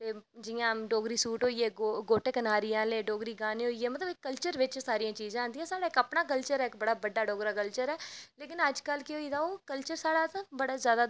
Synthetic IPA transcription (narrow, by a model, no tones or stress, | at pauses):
t̪eːd͡ʒɪjãːɖoːɡɾiːsuːʈɦoːieːɡoɡoːʈeːkənaːɾijãːleːɖoːɡɾiːɡaːneːɦoːieːmət̪ləbɪkːəlt͡ʃəɾʋɪt͡ʃsaːɾijãːt͡ʃiːzãːãːnd̪iːɛ̃ːsaːɽaːɪkəpnaːk̬əlt͡ʃəɾɛːɪkbəɽaːbəɖːaːɖoːɡɾaːkəlt͡ʃəɾɛːleːkɪnəd͡ʒkəlkɪɦoːiːd̪aːoːkəlt͡ʃəɾsaːɽaːt̪ãbəɽaːzjaːd̪aː